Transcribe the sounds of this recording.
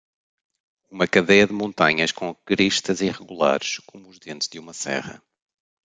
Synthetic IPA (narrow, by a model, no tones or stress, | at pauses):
umɐkɐðɛjɐðɨmõnt̪ɐɲɐʃkõkɾiʃt̪ɐziʁɨɣulˠa̰ɾʃkomuːʒðẽnt̪ʒðumɐsɛ̰ʁɐ̰